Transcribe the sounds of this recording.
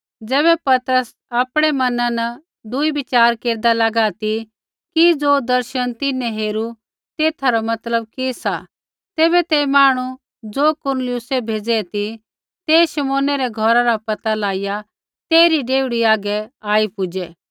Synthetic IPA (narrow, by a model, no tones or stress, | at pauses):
d͡zɛːbɛpɐt̪əɾəs | aːpɽ̃ɛmɐnãnɐ | d̪ʊibɪt͡ʃaːɾkeːɾd̪alɐɡat̪i | kid͡zoːd̪ɐɾʃənt̪ɪnɛ̃ɦeːɾu | t̪eːt̪ʰaɾɔmɐt̪ləb̚kisa | t̪ɛːβɛt̪emaːɽ̃u | d͡zoːkʊɾnlɪjʊsebʱeːd͡zɛt̪i | t̪eːʃɐmoːnɛɾɛɡʱɔɾaɾapɐt̪alaːɪja | t̪eːɾiɖeːʊɽiaːɡɛaːipʊd͡ʒɛː